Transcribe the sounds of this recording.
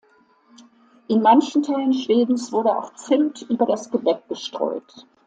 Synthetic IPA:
ʔɪnmançn̩tʰaɪlənʃv̥eːdn̩sv̥ʊɐɾəa̰ʊxt͡sɪmtʰʔyːbɐɾasɡ̥əbɛk̚ɡ̥əʃtʁ̥ɔ̰ʏt

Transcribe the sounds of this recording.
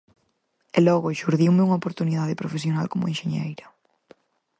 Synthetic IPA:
ɛlɔɣʊeʃuɾðiwmeuŋaopoɾt̪uniðaðɪpɾofesjonalkomʊ̰enʃeɲejɾɐ

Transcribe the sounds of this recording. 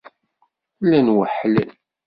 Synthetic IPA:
lːænwəħlæ̰l

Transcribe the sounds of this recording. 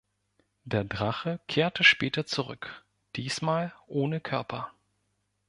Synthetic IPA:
d̥eːɐdʁaχəkʰeːɐtʰəʃpɛːtɐt͡suʁʏk | d̥iːsmaːlʔoːnəkʰœɐpʰɐ

